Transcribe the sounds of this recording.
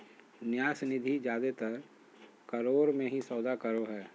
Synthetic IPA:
nɪjaːsnɪd̪ʱid͡ʒjaːd̪et̪ɐɾ | kəɾoːɾmẽɦisɔːd̪akəɾoɦɛː

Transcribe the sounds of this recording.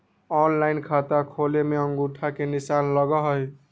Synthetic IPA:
ɔnlaɪnkʰat̪akʰolemeəŋɡuʈʰakenisanləɡɔɦəj

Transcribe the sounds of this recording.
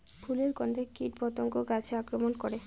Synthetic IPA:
bʰʱuleɾɡɔnd̪ʱekiʈbɔt̪oŋkoɡat͡ɕʰeakɾomonkoɾe

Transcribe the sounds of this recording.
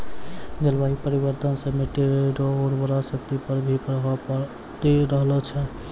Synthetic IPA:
ɡelbaɦipəɾiβəɾt̪ənsəmeʈeɾɾoːɾbəɾasəkt̪ipəɾbʱipɾɦp | t̪iɾəɦlɔt͡ʃʰɛ

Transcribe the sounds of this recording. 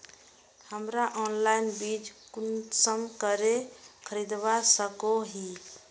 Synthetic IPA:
həmɾaʔɔnlainbid͡ʒkunsəmkəɾekʰəɾid̪basəkoɦi

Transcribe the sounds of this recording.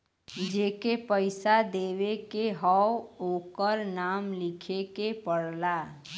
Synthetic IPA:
d͡ʒeːkepəɪsad̪eːʋekeɦɔwoːkəɾnaːmlɪkʰekepəɽla

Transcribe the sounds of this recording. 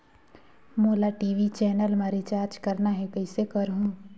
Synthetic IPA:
moːlaʈiːʋit͡ʃɛːnəlmaːɾit͡ʃaːɾd͡ʒkɐɾnaɦɛkɐɪsekɐɾɦũː

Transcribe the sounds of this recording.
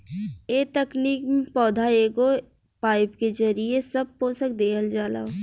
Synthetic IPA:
eːt̪ɛkniːkmẽpɔːd̪ʱaeːɡo | paːɪpked͡ʒɐɾiesɐb̚poːsək̚d̪eːkəld͡ʒaːla̰ːo

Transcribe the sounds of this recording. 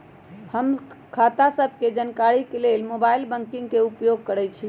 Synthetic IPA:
həmkʰat̪asəbʱked͡ʒənkaɾikelelmobailbəŋkiŋɡkeupjoɡ̚kəɾɛt͡ʃʰi

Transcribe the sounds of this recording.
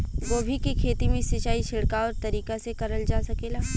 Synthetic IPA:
ɡoːbʱikikʰeːt̪imẽsɪt͡ʃaːiʃʰɪɽkaɔːɾt̪ɐɾiːkasekɐɾəld͡ʒaːsɐkeːlaː

